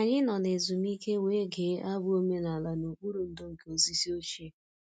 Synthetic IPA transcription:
a˨ɲɪ˦nɔ˨ne˨zu˨mi˦ke˦we˦ɡe˨˦a˦bʊ˦o˦me˦na˨la˨no˨k͡pu˦ɾu˨n̩˨do˦ŋ̩˨ke˦o˨zi˦si˦o˦t͡ʃe˦

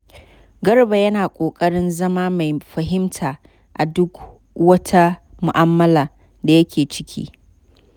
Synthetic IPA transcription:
ɡɐ˦rba˨jɐ˦naː˨kʷʼoː˨kʼɐ˦ɽɪ˦nzɐ˦maː˦ma˨jɸɐ˨ɦɪ˦mtʰaː˨ | ʔa˨dʊ˦k | wɐ˦tʰa˦ | mʊ˨ʔa˦mːɐ˦laː˨ | da˨jɐ˦kʲʰeː˨t͡ʃɪ̥˦kʲʰḭː˦

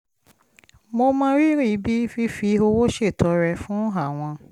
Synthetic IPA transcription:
mo˧mãː˦ɾi˦ɾi˦˧bi˦fi˧fi˧o˧wo˦ʃe˦˨tɔ˧˦ɾɛ˧fũ˦a˦˨w̃ɔ̃˧

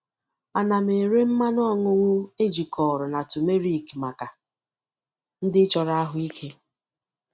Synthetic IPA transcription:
a˨na˨me˨e˨ɾe˦m̩˦ma˦nɔ˦˨ŋʊ˦ŋʷʊ˦e˦d͡ʒi˨kʰɔ˨ɾʊ˨na˨tu˨me˦ɾi˦˨kma˨ka˨ | n̩˦dɪ˦t͡ʃɔ˨ɾa˦a˦ɦʊ˦i˦kʰe˦

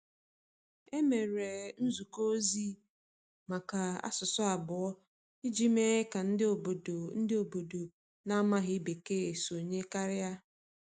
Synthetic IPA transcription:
e˦me˨ɾe˨n̩˦zu˨ko˦o˦zi˦ | ma˨ka˨a̰˦sʊ˨sʊ˦a˨bʊ˨ɔ˦ | ɪ˦d͡ʒi˦me˦e˦ka˨n̩˦˨bn̩˦dɪ˦o˨bo˨do˨ | na˦ma˦ɦɪ˦be˨ke˦e˨so˨ɲe˦ka˦ɾɪ˦ja˦

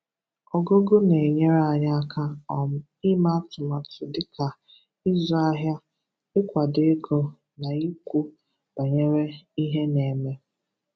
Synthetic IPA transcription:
ɔ˨ɡo˦ɡo˦ne˨ɲe˦ɾa˨ɲa˦a˦kʰa˦ɔ˨m̩˦ | i˦ma˦tʊ˨ma˨tʊ˨dɪ˦ka˨ | i˦zɔ˦a˦ɦja˦ | ɪ˦kʷa˨de˦ɡɔ˦ | na˨i˦kʷu˦ | b̥a˨ɲe˦ɾe˦i˦ɦe˦ne˨me˦

